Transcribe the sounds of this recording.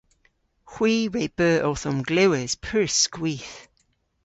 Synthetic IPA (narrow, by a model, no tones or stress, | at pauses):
xw̥iːɹeʔ̚b̥ɜːʔɔθɔmɡlɪwəz̥pʰəɹskwiːˑθ